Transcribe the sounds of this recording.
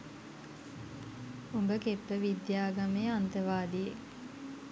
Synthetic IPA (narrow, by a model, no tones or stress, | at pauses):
umbəkepːəʋid̪jaːɡameːant̪əʋaːd̪ijḛ